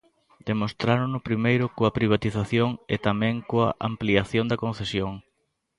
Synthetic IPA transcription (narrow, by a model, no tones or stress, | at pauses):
d̪̥emost̪ɾanʊnʊpɾimejɾʊkoɐpɾiβ̞at̪iθaθjoŋḛt̪amɛ̃ŋkoa̰ʔa̰mpliaθjond̪ɐkon̟θesjoŋ